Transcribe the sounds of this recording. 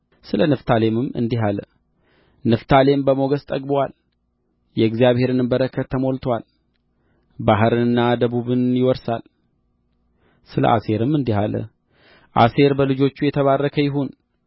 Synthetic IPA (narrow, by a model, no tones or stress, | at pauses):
sɨlənɨft̪ʰale̞mɨmɨ̰nd̪iɦalə̰ | nɨft̪ʰale̞mbəmo̞ɡəst̪ʼəɡʼbowal | jɛɨɡzijaβhe̞ɾɨnɨmbəɾəkʰət̪ʰːəmo̞lt̪ʰwal | baɦɨɾɨɨnːad̪əβuβɨnjɪwɔɾsa̰l | sɨlə̰ʔa̰se̞ɾɨmɨnd̪iɦalə̰ | ʔase̞ɾbəlɨd͡ʒo̞t͡ʃːujɛt̪ʰəβarːəkʰəjɪɦun